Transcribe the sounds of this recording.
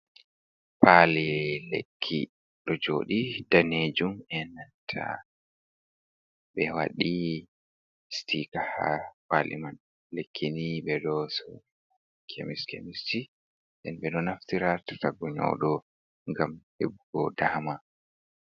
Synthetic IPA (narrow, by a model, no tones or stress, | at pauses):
palɛlḛkʰːi | ɗɔd͡ʒoːɗidaned͡ʒumɛnantʰa̰ | ɓɛwa̰ɗi | stʰikahapalḭman | lekʰːiniɓɛɗɔsɔ | kʰemiskḛmisti | ɗɛnɓɛɗɔnaftiɾatḁtaɡɔɲɔ̰ɗɔ | ŋɡamhebuɡɔdahma